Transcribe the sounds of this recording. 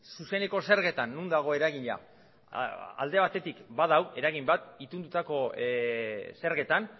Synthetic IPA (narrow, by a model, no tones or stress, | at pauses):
suse̞ne̞ko̞se̞ɾɣe̞t̪anːund̪aɣ̞o̞e̞ɾaɣiɲa̰ | a̰ld̪e̞β̞at̪e̞t̪ikbaðawe̞ɾaɣimbat̪it̪und̪ut̪ako̞ | se̞ɾɣe̞t̪an